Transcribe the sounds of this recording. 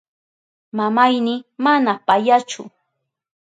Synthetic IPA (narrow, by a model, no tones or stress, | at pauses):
mamajnɪmanapajat͡ʃʊ̰